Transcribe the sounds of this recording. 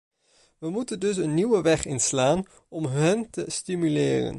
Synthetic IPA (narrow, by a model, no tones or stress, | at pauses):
ʋəmutəndɵs̬ənːiʋəʋɛχɪnslaːn | ɔmɦɛntəstimylɪːrə̰n